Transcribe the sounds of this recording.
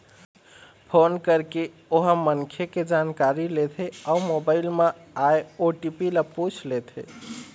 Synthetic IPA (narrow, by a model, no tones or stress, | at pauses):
pʰonkəɾke | oɦəmənkʰjeked͡ʒankaɾilet̪ʰeaumobaɪilmeajoʈipilaput͡ʃʰlet̪ʰḛ